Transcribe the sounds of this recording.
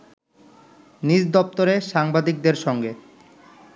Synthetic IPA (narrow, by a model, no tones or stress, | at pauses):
nid͡ʑd̪ɔp̚t̪oɾeʃaŋbad̪ik̚d̪eɾʃɔŋɡe